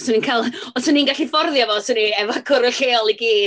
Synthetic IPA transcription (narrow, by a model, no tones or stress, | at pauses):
səninkʰalˠɔsʊninɡaɬifɔrðjɔvɔsʊniɛvakʰʊɾɔɬeːɔlˠiɡiː